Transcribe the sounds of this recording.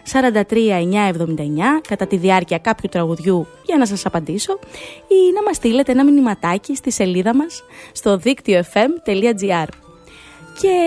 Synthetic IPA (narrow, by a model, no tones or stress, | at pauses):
sɐɾɐnd̪ɐt̪ɾiɐe̞ɲɐe̞vðo̞mind̪ɐe̞ɲɐkɐt̪ɐt̪iðiɐɾciɐkɐpçut̪ɾɐɣuðʝu | ʝɐnɐs̬ɐsɐpɐnd̪iso̞inɐmɐst̪ile̞t̪e̞enɐminimɐt̪ɐcist̪ise̞liðɐmɐsːt̪o̞ðikt̪io̞e̞fe̞mt̪e̞liɐd͡ziɐɾ | ce̞